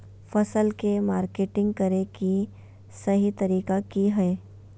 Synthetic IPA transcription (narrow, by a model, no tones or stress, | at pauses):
fɐsəlkemaːɾkeːʈɪ̃ŋɡ̚kɐɾeki | sɐɦit̪ɐɾiːkakiɦɛe